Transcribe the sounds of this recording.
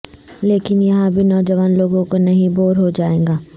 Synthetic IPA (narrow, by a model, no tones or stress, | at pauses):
leːkɪnjɐɦãbʱinɔːd͡ʒɐʋaːnloːɡõkonɐɦĩboːɾɦod͡ʒaːẽːɡaː